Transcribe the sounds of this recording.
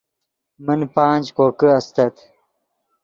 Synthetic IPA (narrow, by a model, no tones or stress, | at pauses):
mənpaːnd͡ʑkoːkəɐst̪ɐt̪